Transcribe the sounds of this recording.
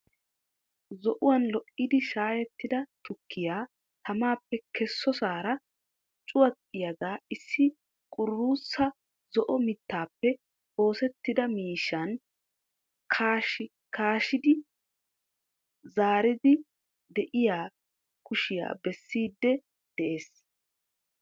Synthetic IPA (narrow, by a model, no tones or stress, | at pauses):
zɔʔʊwɐnlɔʔɪd̪ɪʃaːjɛt̪ːɪd̪ɐt̪ʊkʰːɪjaː | t̪ʰɐmaːpːɛkʰɛsːɔsaːɾɐ | t͡ʃʼʊwɐtʼːɪjɐɡaːɪsːɪ | kʼʊrːuːsːɐ | zɔʔɔmɪt̪ːaːpːɛ | o̞ːsɛt̪ːɪd̪ɐmiːʃːɐn | kʰaːʃɪ | kaːʃɪd̪ɪ | zaːɾɪd̪ɪ | d̪ɛʔɪjaː | kʊʃɪja̰ːbɛsːiːd̪ːɛ | d̪̥ɛʔe̞ːs